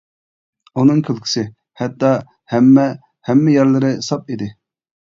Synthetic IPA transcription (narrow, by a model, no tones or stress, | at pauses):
unɨŋkʲʰylˠkʲʰi̥sɪ | hɛt̪ːɑ | hɛmːɛ | hɛmːɪjɛɾlˠɪɾɪsɑp̚id̪ɪ